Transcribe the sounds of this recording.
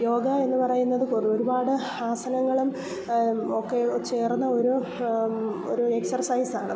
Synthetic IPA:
jo̞ːɡɐe̞nːupɐrɐjunːɐðɨkoro̞ɾubaːɽɨ | aːsɐnɐŋːɐɭum | okːet͡ɕe̞ːrunːɐoɾu | o̰ɾueksɐrsɐjsaːɳɨ

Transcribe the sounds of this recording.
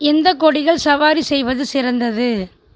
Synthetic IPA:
ɛnd̪ɐkɔɽɪɣɐɭsɐʋaːɾisɛjʋɐðɯsɪɾɐnd̪ɐðɯ

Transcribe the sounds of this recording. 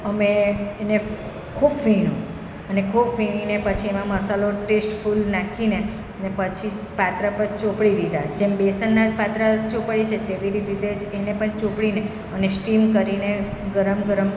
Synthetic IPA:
əmeːne | kʰubfiɽ̃ũ | ənekʰubfiɽ̃inepət͡ʃʰiemãməsaloʈesʈfulnakʰine | ənepət͡ʃʰi | pat̪ɾapəɾt͡ʃopɽiɾid̪a̰d͡ʒembesənːad͡ʒpat̪ɾat͡ʃopɭit͡ʃʰet̪eʋiɾit̪it̪ed͡ʒenepəɳt͡ʃõpɽine | ənesʈimkəɾineɡəɾəmɡəɾəm

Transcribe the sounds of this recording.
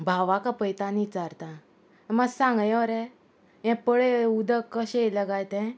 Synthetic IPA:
bʱaʋakapəjt̪anit͡saɾt̪ã | ɛ̃masãŋɡɛ̃ɔɾɛ | jɛ̃pəɭeud̪əkːəɕẽləɡajt̪ɛ̃

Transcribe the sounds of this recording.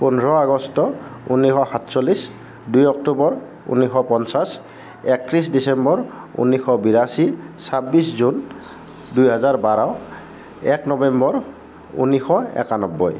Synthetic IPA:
punɹɔaɡɔstɔṵnixɔxatsɔlis | dujɔk̚tubɔɹ | ṵnixɔpɔnsas | ɛkɹisdisɛmbɔɹṵnixɔbiɹasisabiszun | dujɦazaɹbaɹaʊ | ɛknɔbɛmbɔɹ | ṵnixɔɛ̰kanɔbːɔ̰j

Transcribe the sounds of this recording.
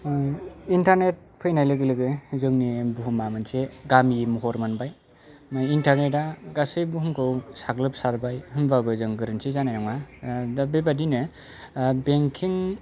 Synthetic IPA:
intaɾnet̚pʰɯjnajlɯɡɯlɯɡɯzɯŋnibuɦumamɯnseɡamimuɦɔɾmɯnbaj | majintʰaɾnetaɡasɯjbuɦɯmkʰɯwsaklɯp̚saɾbajhɯmbaɡɯzɯŋɡɯɾɯnsʰizanajnɔŋadabebadinɯ | beŋkʰiŋ

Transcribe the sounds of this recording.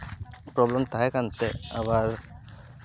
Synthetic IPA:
pɾɔblemt̪aɦɛkant̪eabaɾ

